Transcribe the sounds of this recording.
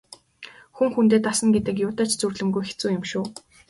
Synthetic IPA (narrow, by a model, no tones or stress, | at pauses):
xuŋxunt̪eːt̪asə̆ŋɡet̪ɘ̆kjʊːt̪æːt͡ɕt͡sɵrɮɘ̆mɡujxe̥t͡suːjɪ̆mʃʊː